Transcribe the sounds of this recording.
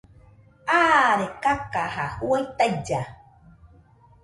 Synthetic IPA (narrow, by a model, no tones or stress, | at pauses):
aɾekakahahuajt̪ajd͡ʒa